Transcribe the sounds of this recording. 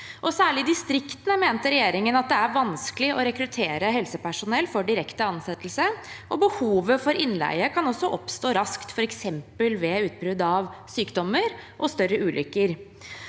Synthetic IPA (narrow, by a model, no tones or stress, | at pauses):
ʔɔsæːɭɪd̪ɪst̪ɾɪkt̪ənəmeːnt̪əɾɛjeːɾɪŋənɑt̪̚d̪ɛæɾʋɑnskəlɪʔɔɾɛkɾʉt̪ʰeːɾəɦɛlsəpæʂʊnɛlfɔɖɪɾɛkt̪əɑnsɛt̪ːəl̩səʔɔbəhuːʋəfɔɾɪnlæ̰ɪəkʰɑnɔsːɔʔɔpst̪oːɾɑskt̪fɔɾɛksɛmpəlʋɛʉːt̪̚bɾʉd̪ɑʋsyːkd̪ɔmːəɾʔɔst̪œɾːəʉːlʔʏkːəɾ